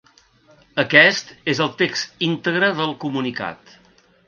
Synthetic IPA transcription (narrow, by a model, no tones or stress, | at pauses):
əkɛst̪ezəlˠt̪ekst̪int̪əɣɾəðəlˠkumunika̰t̪